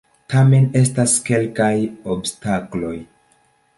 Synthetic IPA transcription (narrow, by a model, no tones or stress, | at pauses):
tame̞ne̞staske̞lkajobstaklo̞j